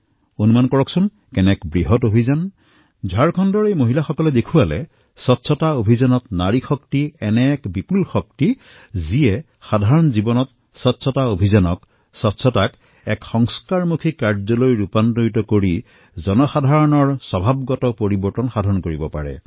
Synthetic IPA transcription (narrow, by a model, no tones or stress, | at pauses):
onumankɔɹɔksun | kɛnɛkbɹiɦɔtobʱizan | d͡ʒʱaɹkʰɔndɔɹejmoɦilaxɔkɔlɛdekʰualɛ̰ | sɔtsʰɔtaobʱizanɔtnaɹixɔktiɛnɛkbipulxɔk̚ti | ziɛ | xadʱaɹɔnzibɔnɔt | sɔtːsʰɔtaobʱizanɔk | sɔtsʰɔtak | ɛkxɔŋskaɹmukʰikaɹzɔlojɹupantojtɔkoɹi | zɔnɔxadʱaɹɔnɔɹsɔbʱab̚ɡɔtɔpoɹibɔɹtɔnxadʱaɔnkoɹibɔpa̰ɹɛ̰